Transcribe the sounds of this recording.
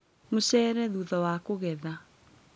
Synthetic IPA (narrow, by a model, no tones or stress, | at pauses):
mosɛːɾɛðuðɔwakoɣɛða